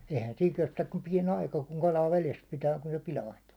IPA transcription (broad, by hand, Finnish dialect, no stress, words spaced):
eihæn siːŋ kestæk kum piɛn ɑikɑ kuŋ kɑlɑː ʋeles pitæː kun se pilɑintu̥ː